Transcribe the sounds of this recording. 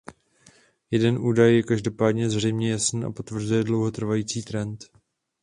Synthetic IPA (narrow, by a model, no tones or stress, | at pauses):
jɛdɛnʔuːdajːɛkaʒdo̞paːdɲɛzr̝ɛjmɲɛjasniːʔa̰po̞t̪vr̩zujɛdlo̞wɦo̞t̪r̩vajiːt͡siːt̪ɾɛnt̪